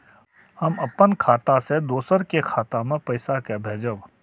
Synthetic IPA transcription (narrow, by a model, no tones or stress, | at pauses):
hɐmɐpənkʰaːt̪ased̪oːsəɾkekʰaːt̪amẽpɐɪsakebʱeːd͡ʒəʋ